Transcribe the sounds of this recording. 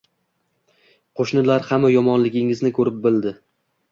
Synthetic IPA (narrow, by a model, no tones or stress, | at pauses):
qʰoʃnɪlaɾhamːajɒmɒnlɪɡʲɪŋɪznɪkʰɵɾɪp̚bɪld̪ɪ